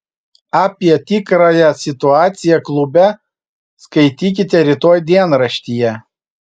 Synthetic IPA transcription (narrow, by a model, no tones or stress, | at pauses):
ɑːpʲiɛt̪ʲikɾɑjɛsʲɪt̪ʊɑːt̪sʲɪjɛklˠʊbʲɛ | skɐɪt̪ʲiːk̬ʲɪt̪ʲɛɾʲit̪oːjd̪ʲiɛnɾɐʃʲt̪ʲijɛ